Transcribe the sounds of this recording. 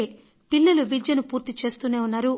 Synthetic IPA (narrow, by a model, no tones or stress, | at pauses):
e | pilːɐluʋid͡ʒjɐnupuːɾt̪it͡ʃe̞ːst̪uːneːunːaːɾu